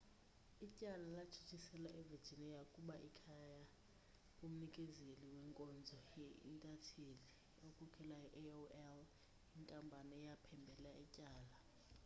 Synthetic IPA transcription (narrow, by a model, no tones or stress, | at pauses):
icʼalalat͡ʃʰi̥t͡ʃʰʼisɛlaʔɛve̥d͡ʒ̥ʱinɛjakʼuɓaʔikʰaja | kʼum̩nikʼɛzeliwɛŋkʼɔnd͡zʱɔjḭntʼatʰeli | okʰʼɔkʰɛlaɛʔoɛl | intʼambʱanɛɛjapʰɛmbʱɛlaɛcʼaːla